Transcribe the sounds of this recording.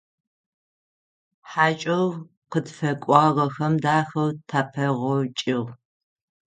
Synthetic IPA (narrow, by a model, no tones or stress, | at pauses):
ħaːt͡ʃʼɐw | qədfɐkʷʼɑːʁɐxɐmdaːxɐwtʰaːpʰɐʁɐwt͡ʃʼɪʁ